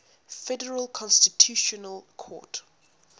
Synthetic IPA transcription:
fɛdɛɹəlkʰɔ̃nstitʰjuʃɔnəlkʰɔ̰t

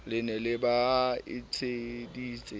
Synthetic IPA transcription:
lɪnɛlɪbaɪ̰t͡sʰediːt͡sʼɪ

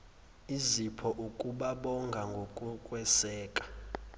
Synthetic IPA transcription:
izipʰɔʔukʼuɓaɓɔŋɡʱaŋɡʱokʼukʼwɛsɛːkʼḁ

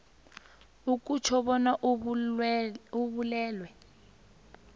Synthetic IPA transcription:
uk̬ʼut͡ʃʰɔβɔnaʔ | uβulɛːlwɛ

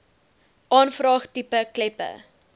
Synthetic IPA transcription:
ʔɑːnfrɑːχtipəklɛpə̰

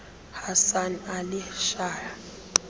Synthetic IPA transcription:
hasanalɪʃaːja

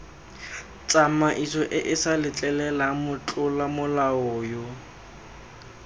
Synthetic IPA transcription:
t͡sʼamaʔisɔʔɪʔɪsalɪt͡ɬʼɛlɛlamʊt͡ɬʼʊlamʊlaɔːjo

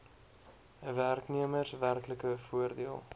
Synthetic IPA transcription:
værkniəmərsværkləkəfuərdiəlˠ

